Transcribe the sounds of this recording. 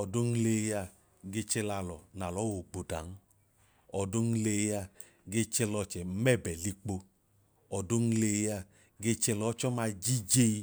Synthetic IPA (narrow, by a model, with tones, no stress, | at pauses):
ɔ˨do˦ŋ̩˦le˧ja˧˨ | ɡe˧t͡ʃɛ˧la˧˨lɔ˨na˨lɔ˨˦wo˨ɡ͡bo˨da˨n̩˦ | ɔ˨do˦ŋ̩˦le˧˦ja˧ | ɡe˧t͡ʃɛ˧lɔ˧˨t͡ʃɛ˨˦mɛ˦˨bɛ˨li˧k͡po˧ | ɔ˨do˦ŋ̩˦˧le˧ja˧˨ | ɡe˧t͡ʃɛ˧lɔ˨˦t͡ʃɔ˦ma˧d͡ʒi˦d͡ʒe˦i˧